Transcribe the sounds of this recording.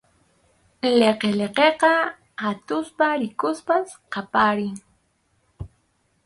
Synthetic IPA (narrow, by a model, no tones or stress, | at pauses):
leqeleqeqɑ | at̪ʊspaɾɪkʊspasqɑpaɾɪŋ